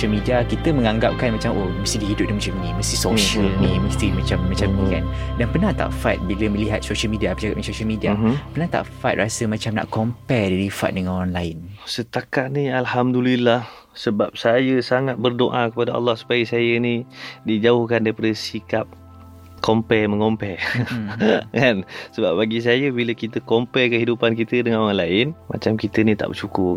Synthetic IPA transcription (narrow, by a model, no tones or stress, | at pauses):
soʃəlmidiakit̪əmə̃ŋãŋɡap̚kanmat͡ʃamʔoməst̪ihdiɦidʊp̚damat͡ʃamniməst̪isoʃəlniməst̪imat͡ʃamːat͡ʃamnikandanpərnaht̪a̰ʔfat̪̚biləmə̃liɦat̪̚soʃəlmidiapəd͡ʒaɡa̰ʔ̚masoʃəlmidiapərnaht̪a̰ʔfat̪̚rasəmat͡ʃamna̰ʔkɔmpɛrdaɾifa̰t̪̚dəŋanɔanlaɪnsət̪akaʔ̪nialhamdulilah | səbap̚sajəsaŋat̪̚bərdoʔakəpadaa̰lːɑhsu̥paəsajənidid͡ʒaʊhkandaipadəsikap̚ | kompɛməŋompɛ | kansəbap̚baɡis̬ajəbiləkit̪əkompɛkəɦidupankit̪ədəŋanoɾanlaɪnma̰t͡ʃamkit̪ənit̪a̰ʔbərt͡ʃukʊ